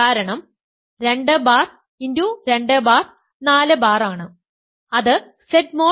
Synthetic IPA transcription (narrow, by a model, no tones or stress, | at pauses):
aːɾɐɳɐm | ɾe̞ɳɖɨbaːr | induɾe̞ɳɖɨbaːr | naːlɨbaːraːɳɨ | ɐðɨ | sed̚moː